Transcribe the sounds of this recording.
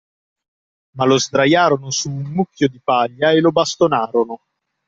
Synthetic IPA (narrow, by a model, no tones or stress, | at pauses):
malozd̪ɾajaːɾonʊsuːnmukːjod̪ipaʎːaelobast̪onaːɾono